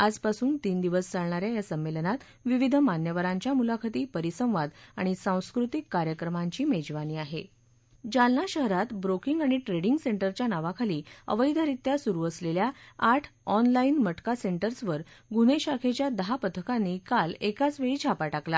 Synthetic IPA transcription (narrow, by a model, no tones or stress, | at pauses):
ad͡zpasuːnt̪iːnd̪iʋəst͡saɭɳaɾjajasəmːelnat̪ | ʋiʋid̪ʱəmanjəʋəɾaɲt͡ɕjamulakʰat̪iːpəɾisə̃w̃ʋad̪aɽ̃isãw̃skɾut̪ikːaɾjəkɾəmaɲt͡ɕiːmed͡ʑʋaniːaɦe | d͡ʑalnaɕəɦɾat̪bɾokiŋɡaɽ̃iʈɾeɽiŋɡseɳʈəɾt͡ɕjanaʋakʰaliːə̰ʋəjd̪ʱəɾit̪jasuɾuːəsleljaaʈʰɔnlainməʈkaseɳʈəɾsʋəɾɡuneɕakʰet͡ɕjad̪əɦapət̪ʰəkanːiːkalekat͡sʋeɭid͡ʑʱapaʈakla